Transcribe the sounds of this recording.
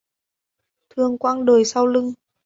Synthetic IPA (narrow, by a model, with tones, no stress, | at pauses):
t̪ʰɨ˨˩əŋkwaː˧ŋɗoː˨˩jsa˧wlɨ˧ŋ